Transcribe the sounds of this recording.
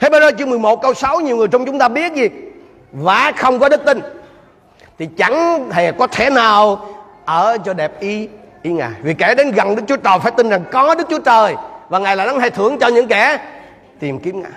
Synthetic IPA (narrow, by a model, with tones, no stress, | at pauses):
t̪ʰe˧˦ɓe˧zəː˧t͡ɕɨ˧əŋmɨ˨˩əjmo˨˩t̚kə˧wsa˨˦wɲi˨˩əwŋɨ˨˩əjt͡ɕa˧wŋ͡mt͡ɕʊ˦ŋ͡mt̪aː˧ɓi˦˥ət̚zi˨˩ | vaː˨˩xə˧wŋ͡mkɔ˨˦ɗɨ˦˥k̚t̪ï˧ŋ | t̪ʰi˨˩t͡ɕa˧˩ŋɦe˨˩kɔ˨˦t̪ʰɛ˧˩naː˨˩w | ʔəː˧˩t͡ɕɔ˧ɗɛ˨˩p̚ʔi˧ʔi˧ŋa̰ː˨˩jvi˨˩kɛ˧˩ɗe˨˦nɣa˨˩nɗɨ˦˥k̚t͡ɕu˨˦ət͡ɕəː˨˩jfaː˧˩jt̪i˧nza˨˩ŋkɔ˨˦ɗɨ˦˥k̚t͡ɕu˨˦ət͡ɕəː˨˩jvaː˨˩ŋaː˨˩jlaː˨˩ɗa˨˦nha˧jt̪ʰɨ˧˩əŋt͡ɕɔ˧ɲɨ̰˧˥ŋkɛ˧˩ | t̪i˨˩mki˨˦mŋa̰ː˨˩j